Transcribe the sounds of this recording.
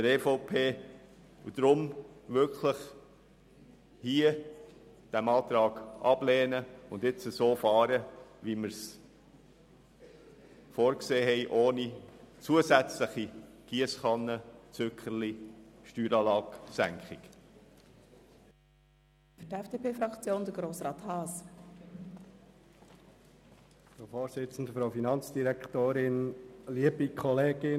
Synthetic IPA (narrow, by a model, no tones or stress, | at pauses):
dəɾɛfɔʊpʰeː | ud̪̥ɾʊmʋʏkχləχ | hiə | d̥æmɑːt̪ɾɑːɡ̥ʔɑb̥leːnəʊndɪt͡səsoːfɑːɾəʋiməɾs | fɔːɾkseːɦɛɪʔoːnit͡suəsæt͡sləχiɡ̥iəsχɑnːət͡søkχəɾliʃtyːɾɑːlɑːksæŋkχɪk | fytɛfd̥eːpʰeːfɾɑkt͡sjoːnd̥̪əɡɾoːsɾɑːt̪hɑːs | fɾofoːɾsɪt͡sən̩d̪əfɾoʊfinɑnt͡sd̥iɾɛktoːɾɪnliəbikʰɔleːɡ̥ɪ